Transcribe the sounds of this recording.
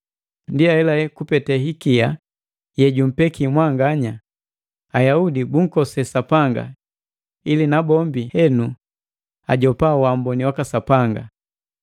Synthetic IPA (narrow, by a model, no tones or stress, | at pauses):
ndiaɛlaɛkupɛtɛɦikia | jɛɟum̩pɛkʰimwaŋɡaɲa | ajaudibuŋ̩kɔsɛsapaŋɡa̰ | ilinabɔmbihɛnu | a̰ɟɔpawambɔniwakasapaŋɡa̰